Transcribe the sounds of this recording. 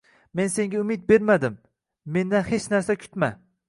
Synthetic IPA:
me̞nse̞ŋɡʲaʊmɪd̪̚be̞ɾmad̪ɪmː | e̞nd̪anhet͡ʃnaɾsakʲʰʊ̥t̪ma

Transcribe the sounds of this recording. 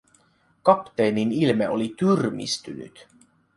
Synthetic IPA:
kɑpt̪eːninilmeolit̪yrmḭst̪y̰ny̰t̪

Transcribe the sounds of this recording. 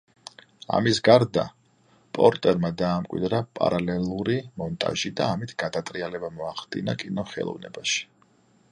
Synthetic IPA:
a̰misɡaɾd̪a̰ | pʼɔɾt̪ʼɛɾmad̪aːmkʼwḭd̪ɾapʼa̰ɾalɛlˠuɾimɔnt̪ʼa̰ʒid̪aːmit̪ʰɡ̥ad̪at̪ʼɾialɛbamɔaχld̪ḭnakʼinɔχɛ̰lˠɔ̰vnɛ̰baʃi̥

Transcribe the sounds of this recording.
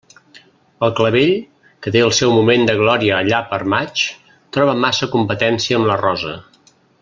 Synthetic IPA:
əlˠkləβeʎ | kət̪eəlˠsɛwmumend̪əɣ̞lɔɾiəːʎapəɾmat͡ʃ | t̪ɾɔβ̞əmasəkumpət̪ɛnsiəːmlərɔzə

